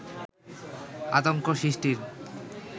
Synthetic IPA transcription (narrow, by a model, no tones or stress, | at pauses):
a̰t̪̬oŋkoʃɾiʃʈiɾ